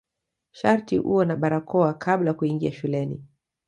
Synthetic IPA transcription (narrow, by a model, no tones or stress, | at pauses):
ʃaɾtḭʔṵɔnaɓaɾakʰɔakʰaɓlajakuiŋɡiaʃulɛnḭ